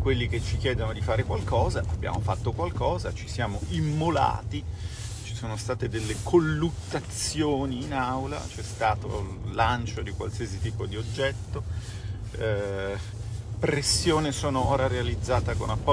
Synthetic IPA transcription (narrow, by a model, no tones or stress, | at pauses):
kwelːiket͡ʃːik̟jɛːd̪onod̪ifaːɾekwalkɔːzaʔabːja̰ːmofat̪ːokwalkɔːzat͡ʃi̥sjaːmoimːola̰ːt̪i | t͡ʃi̥soːnost̪aːt̪ed̪elːekʰolːut̪ːat̪sjoːniːnawla̰t͡ʃɛst̪aːt̪o̰ | lːant͡ʃod̪ikwa̰lsiːasit̪iːpod̪iod͡ʒːɛt̪ːo | pɾesːjoːnesoːnooːɾaɾealid̪zːaːt̪akonapːɔ